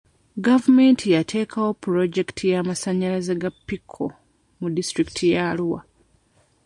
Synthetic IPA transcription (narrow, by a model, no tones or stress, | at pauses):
ɡavume̞ntʰijatʰe̞ːkʰawo̞pːuɾo̞ɟe̞ktʰijaːmasaɲːalazeɡapːikʰːo̰ | mudistɾikitʰijaluwa̰